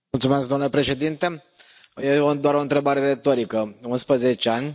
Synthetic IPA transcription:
ult̪sumeskd̪omnle̞pɾe̞ʃe̞d̪int̪e̞ | jeoɨnd̪oaɾo̞ɨnt̪ɾe̞baɾe̞ɾe̞t̪o̞ɾikəunspɾəze̞t͡ʃeanʲ

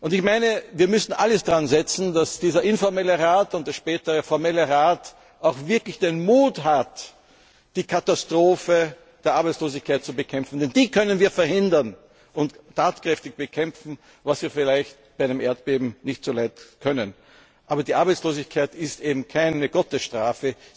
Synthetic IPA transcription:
ʔʊndɪçmaɪnəviːɐmʏsn̩ʔaləsd̥aʁanzɛt͡sn̩dasd̥iːzɐʔɪnfɔɐmɛləʁaːtʊntd̥eɐʃpɛːtəʁəfɔɐmɛləʁaːt | aʊxvɪɐklɪçd̥enmuːtɦat | d̥iːkʰatastʁ̥oːfə | d̥eːɐʔaɐbɛɪt͡sloːzɪçkʰaɪt̚t͡subəkʰɛmfn̩dɛndiːkʰœnənviːɐfɛɐhɪndɐn | ʊnttʰːaːtkʁ̥ɛftɪçb̥əkʰɛmfn̩ | vasv̥iːɐfɪlæɪçt̚baɪæɪnəmʔeːɐt̚b̥eːbm̩nɪçtt͡solaɪtkʰœnən | ʔaːbɐdiːʔaɐbɛɪt͡ssloːzɪçkʰaɪtɪstʔeːbm̩kʰaɪnəɡ̥ɔtəsʃtʁ̥aːfə

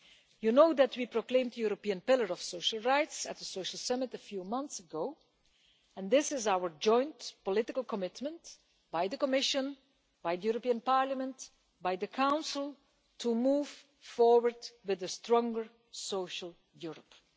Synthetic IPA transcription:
junoʊd̪ætwipɹoklẽɪ̃mdəjuɹopiə̃npɪlˠəɹɔfsoʊʃəl̩ˠɹaɪtsət̚əsoʊʃəl̩ˠsʌmɨtəfjuːmʌ̃nθsəɡoʊ | ɛ̃nd̪ɪsɪzawə˞d͡ʒɔ̃ɪ̃ntpɔlɪtɪklˠkɔmɪtmə̃nt | b̥aɪðəkɔmɪʃə̃n | baɪðəjuɹəpiə̃npɑɹləmə̃nt | baɪðəkʰãʊ̃nsəl̩ˠ | tʰumuːv̥ | fɔɹwəɹdwɪðəstɹɔ̃ŋɡə˞ | soʊʃəl̩ˠ | juɹəp

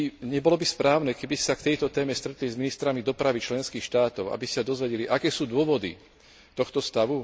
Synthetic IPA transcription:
ɲɛbɔlɔbispɾaːʊnɛkɛbisakt̪ɛjt̪ɔt̪ɛːmɛst̪ɾɛt̪lizminist̪ɾamid̪ɔpɾaʋit͡ʃlɛnskiːxʃt̪aːt̪ɔʊa̰bisi̥sad̪ɔzʋɛɟɛliʔakɛːsuːd̪ʊɔʋɔd̪ḭ | t̪ɔxt̪ɔst̪aʋu

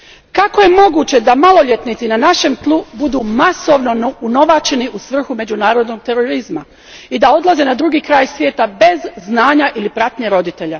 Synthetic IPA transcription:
kako̞je̞mo̞ɡuːt͡ɕe̞d̪amalˠo̞ʎʲe̞t̪nit̪sinanaʃe̞mt̪lˠubud̪uːmaso̞ʋno̞uno̞ʋat͡ɕe̞niʔusʋr̩xume̞d͡ʑunaːɾo̞d̪no̞ɡ̚t̪e̞ɾoɾizma | id̪ao̞d̪laze̞nad̪ɾuːɡiːkɾaːjsʋjeːt̪abe̞zznaːɲaʔilipɾat̪ɲeɾo̞d̪it̪e̞ʎa

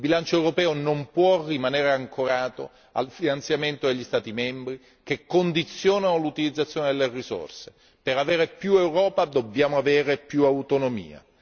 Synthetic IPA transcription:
ilbilant͡ʃoɛwɾopɛːonompwɔrːimaneːɾeaŋkoɾaːt̪o | a̰lfinant̪sjament̪od̪eʎːist̪aːt̪imɛmbɾi | kekːond̪it̪sːjoːnanolut̪ilid̪zːat̪sːjoːned̪elːeriso̰rse | peɾaveːɾepjuewɾɔːpad̪objaːmoaveːɾepjuawt̪onomḭːa̰

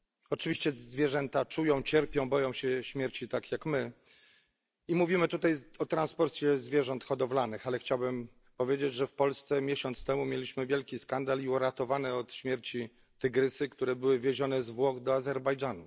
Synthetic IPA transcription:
ɔt͡ʂɘvʲiɕt͡ɕɛzvʲjɛʐɛnt̪at͡ʂujɔ̃w̃t͡ɕɛɾpʲjɔ̃w̃bɔjɔ̃w̃ɕɛɕmʲjɛɾt͡ɕit̪akʰʲjakmɘ | imuvʲimɘt̪ut̪ajɔt̪ɾanspɔɾt̪sʲjɛzvʲjɛʐɔnt̪xɔd̪ɔvlanɘxalɛxt͡ɕawbɘm | pɔvʲjed͡ʑed͡ʑʐɛfpɔlst̪sɛmʲjeɕɔnt̪st̪ɛmumʲjelʲiɕmɘvʲjɛlkʲiskand̪aliuɾat̪ɔvanɛɔt̪ɕmʲjɛɾt͡ɕi | t̪ɘɡɾɘt̪sɘkt̪uɾɛbɘwɘvʲjeʑɔnɛzvwɔɡd̪ɔazɛɾbajd͡ʐanu

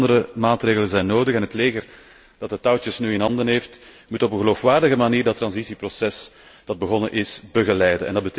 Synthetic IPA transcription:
dəɾəmaːtreːɣələnzɛjnːoːdəxɛnɦətleːɣər | d̥ɑtətawtəsnyːɪnɦɑndənɦeːft | mutɔpənɣəloːfʋaːrdəɣəmaniːrdɑt̪ːrɑnzisiprosɛs | d̥ɑd̚bəɣɔnəʔɪsbəɣəlɛjdənɛ̰ndɑd̚bət

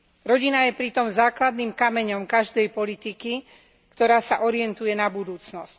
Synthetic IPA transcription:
ɾɔɟinajɛpɾit̪ɔmzaːklad̪nimkamɛɲɔmkaʒd̪ɛjpɔlit̪iki | kt̪ɔɾaːsaʔɔɾɪɛnt̪ujɛnabud̪uːt͡snɔsc

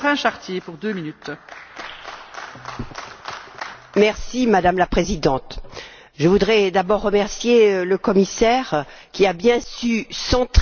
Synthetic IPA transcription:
ʁɛ̃ʃaʁt̪jepuʁd̪øminyt̪ | mɛʁsimad̪amlapχezid̪ɑ̃t̪ | ʒəvud̪ʁɛd̪abɔʁːəmɛʁsjeləkɔmisɛʁkʲiabjɛ̃sysɑ̃t̪

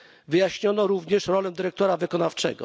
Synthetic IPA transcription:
vɘjaɕɲɔnɔɾuvɲɛʂɾɔlɛ̃d̪ɘɾɛk̚t̪ɔɾavɘkɔnaft͡ʂɛ̰ɡɔ̰

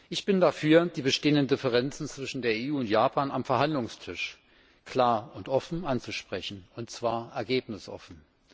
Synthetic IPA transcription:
ʔɪçb̥ɪndafyːɐd̥iːbəʃteːəndəndɪfəʁ̞ɛnt͡sn̩t͡sv̥ɪʃn̩deːɐeuːʊntjaːpʰaːnamfɛɐɦandlʊŋstʰɪʃ | kʰl̥aːɐʊntʔɔfn̩ʔant͡suʃpʁ̥ɛçn̩ʊntt͡sv̥aːɐʔɛɐɡeːpnɪsʔɔ̰fn̩

